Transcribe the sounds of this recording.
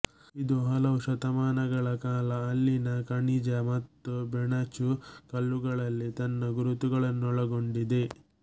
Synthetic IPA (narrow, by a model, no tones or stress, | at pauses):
id̪uɦɐlɐʋuʃɐt̪ɐmaːnɐɡɐɭɐkaːlɐːlːinɐkɐɳid͡ʒɐmɐt̪ːubɛɳɐt͡ʃukɐlːuɡɐɭɐlːit̪ɐnːɐɡuɾut̪uɡɐɭɐnːuɔɭɐɡo̞ɳɖid̪e̞